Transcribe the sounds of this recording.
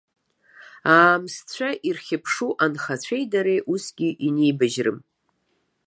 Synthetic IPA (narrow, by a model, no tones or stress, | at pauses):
aːmst͡ɕʷʰaʔirχʲɪpʰʂuʔanχat͡ɕʷʰejdaɾejʔusɡʲiʔinejbaʒrɨ̰m